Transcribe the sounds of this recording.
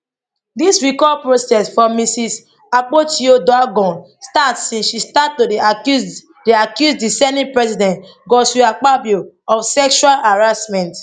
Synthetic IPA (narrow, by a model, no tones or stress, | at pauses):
disɹikɔpɹosɛsfɔmisis | ak͡potiodɔaɡɔ̃n | statsĩnsʃistatːod | diakjusdisɛnĩpɹɛsidɛ̃nt | ɡɔsuak͡pabjoɔfsɛkʃualaɹasmɛ̃nt